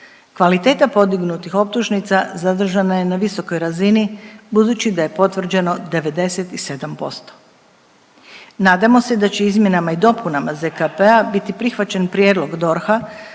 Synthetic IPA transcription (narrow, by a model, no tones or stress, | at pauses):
kʋalit̪e̞ːt̪apo̞d̪iɡnut̪ixo̞p̚t̪uʒnit̪sazad̪r̩ʒanaje̞naʋiso̞ko̞jɾazinibud̪uːt͡ɕid̪aje̞po̞t̪ʋr̩d͡ʑe̞no̞d̪e̞ʋe̞d̪e̞set̪ise̞d̪ampo̞̰st̪o̥ | naːd̪amo̞sed̪at͡ɕeizmje̞namaid̪o̞punamazekapeabit̪ipɾixʋat͡ɕe̞npɾʲje̞ːd̪lo̞ɡd̪o̞ɾxa